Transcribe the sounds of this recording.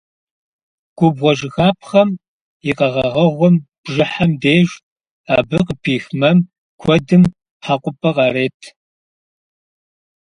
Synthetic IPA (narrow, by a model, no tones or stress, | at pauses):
ɡ̥ʷʊbʁʷɔʒɪxaːp̚ʰχɐm | jɪqɐʁɐʁɐʁʷɔmb̥ʒɪħɐmdeːʒ | aːbɨqəpʰiːxmɐm | kʷʰɔdɨm | ħaqʷʼʊpʼɐqɑːɾeːtʰ